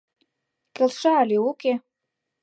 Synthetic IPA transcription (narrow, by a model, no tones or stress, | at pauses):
kʲʼəlʂaːliukʲʼe